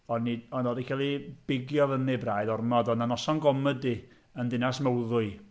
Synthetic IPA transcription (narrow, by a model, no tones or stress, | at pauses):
ɔnːiɔnɔdikʰalˠib̥ɪɡjɔðənibraːjðɔrmɔdɔnanɔsɔnɡɔmədi | əndɪnasməwðʊɨ